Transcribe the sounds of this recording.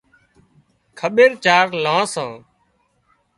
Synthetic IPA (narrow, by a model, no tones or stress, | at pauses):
kʰəɓeːɾt͡ʃaːɾlãːsãː